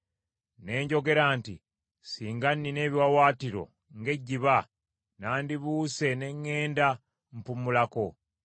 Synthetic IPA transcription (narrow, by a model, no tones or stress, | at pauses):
ne̞ːɲɟo̞ɡe̞ɾaːntḭ | siːŋɡanːine̞ːβiwawaːtiɾo̞̰ | ŋɡe̞ɟːiβa | naːndiβuːse̞ne̞ŋːe̞ːnda | mpumulako̞